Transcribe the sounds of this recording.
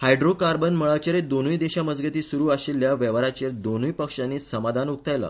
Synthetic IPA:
hajɖɾokaɾbənməɭat͡ɕeɾed̪onujd̪eɕaməd͡zɡət̪iːsuɾuːaɕilːjaʋjəʋaɾat͡ɕeɾd̪onujpəkʂanːiːsəmad̪ʱanuk̚t̪ajla̰

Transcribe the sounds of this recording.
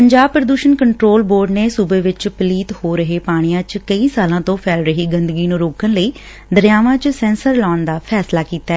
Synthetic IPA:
pəɲd͡ʒaːb̚pɾəd̪uːʃənkəɳʈɾoːlboːɾɖneːsubeːʋɪt͡ʃpliːt̪hoːɾəɦeːpaːɽ̃ɪjãːt͡ʃkəiːsaːlãːt̪õːpʰɛːlɾəɦiːɡənd̪əɡiːnũːɾoːkənləiː | d̪əɾjaːʋãːt͡ʃsɛ̃ːnsəɾlɔːɳd̪aːpʰɛːslaːkiːt̪aɛː

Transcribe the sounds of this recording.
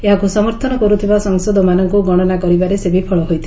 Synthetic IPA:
eɦakusɔmɔɾt̪ʰɔnɔkɔɾut̪ʰibasɔŋsɔd̪ɔmanɔŋkuɡɔɽ̃ɔnakɔɾibaɾesebipʰɔɭɔɦojt̪ʰi

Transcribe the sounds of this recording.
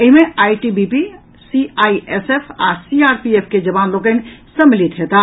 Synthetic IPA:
eɦimeajʈibipi | siaiesepʰasiaɾpiepʰked͡ʒəbanlok̬ə̃nsəmːilit̪ɦet̪a

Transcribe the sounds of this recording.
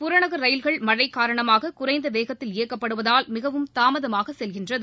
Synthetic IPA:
pʊɾɐɳɐɣɯɾɐjɪlɣɐɭmɐɻɐɪkːaːɾɐɳɐmaːɣɐkʊrɐɪnd̪ɐʋeːɣɐt̪ːɪleːkːɐpːɐɽɯʋɐðaːlmɪɣɐʋɯmt̪aːmɐðɐmaːɣɐsɛlɣɪndrɐðɯ

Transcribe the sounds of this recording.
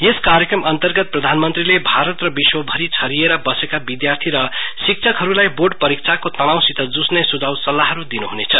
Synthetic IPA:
jeskaɾjekrʌmʌnt̪ʌrɡʌt̪̚prʌd̪ʱanmʌnt̪rilebʱaɾʌt̪rʌbiswʌbʱʌɾit͡sʰʌɾieɾʌbʌsekabid̪jart̪ʰiɾʌsik̚t͡sʰʌkɦʌɾulajborɖpʌɾik̚t͡sʰakot̪ʌnawsit̪ʌd͡zusnesud͡zʱawsʌlːaɦʌɾud̪inuɦunet͡sʰʌ

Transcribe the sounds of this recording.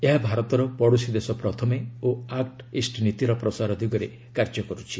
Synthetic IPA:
eɦabʱaɾɔt̪ɔɾɔpɔɽusid̪esɔpɾɔt̪ʰɔmeoakʈisʈnit̪iɾɔpɾɔsaɾɔd̪ʱiɡɔɾe | kaɾd͡ʒɔkɔɾut͡ʃʰi

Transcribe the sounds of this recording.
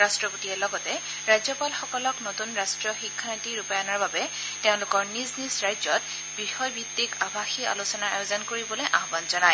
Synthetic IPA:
ɹastɹɔputiɛlɔɡɔtɛ | ɹajzɔpalxɔkɔlɔknotunɹastɹɔxikʰːantiɹupajanɔɹbabɛ | teʊ̃lʊkɔɹniznisɹajzɔt̚ | b̥ixɔjbit̪ːikabʱaxia̰lusɔnaa̰jozɔnkoɹibɔlojʔaɦɔbanzɔnaj

